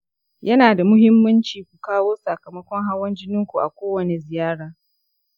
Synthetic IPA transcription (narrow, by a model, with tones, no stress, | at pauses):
jɐ˦naː˨da˨mʊ˦hɪ˦mːɐ˦nt͡ʃiː˨kʷu˨kaː˦woː˦sɐ˨kɐ˨mɐ˦kʷɔ˦ŋɦa˦wɐ˦nd͡ʒɪ˦nɪ˦ŋkʷu˨ʔa̰˨kʷoː˦wɐ˨ne˨zɪ˨jaː˦ɽaː˨